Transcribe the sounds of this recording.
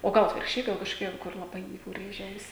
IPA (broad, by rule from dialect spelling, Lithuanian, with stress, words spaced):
oː ˈɡɐlˠ ɐtʲʋʲɪrkʃʲˈt͡ʃʲɛɪ ɡɐlˠ kɐʃkoːˈkʲɛ kʊr lˠɐˈbɐɪ jɛʊ ˈrʲeːʒʲɛ ˈɐʊsʲɪ